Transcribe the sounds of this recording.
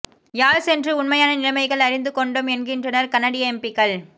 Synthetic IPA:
jaːlsɛndrɯʊnmɐjaːnɐnɪɻɐmɐɪɣɐɭɐɾɪnd̪ɯkɔɳɖɯmɛnɡɪndrɐnɐɾkɐnɐɽɪjɐɛmpɪkːɐɭ

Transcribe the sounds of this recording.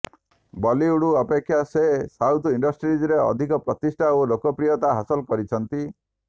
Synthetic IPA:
bɔliuɽuapekʰːjasesawt̪ʰiɳɖɔsʈɾid͡ʒɔɾeɔ̰d̪ʱikɔpɾɔt̪isʈʰaolokɔpɾijɔt̪aɦasɔlkɔɾit͡ʃʰɔnt̪i

